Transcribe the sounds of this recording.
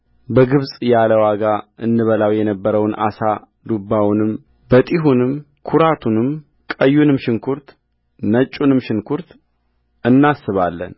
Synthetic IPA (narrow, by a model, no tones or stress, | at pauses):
bəɡɨβsʼjaləwaɡaʔɨnːɨβəlawjɛnəbːəɾəwnʔa̰sa | d̪ubːawnɨm | bət̪ʼiɦunɨm | kʰuɾat̪ʰunɨm | kʼəjːunɨmʃɪŋkʰuɾt̪ | nət͡ʃʼːunɨmʃɪnkʰuɾt̪ | ɨnːasːɨβalːə̰n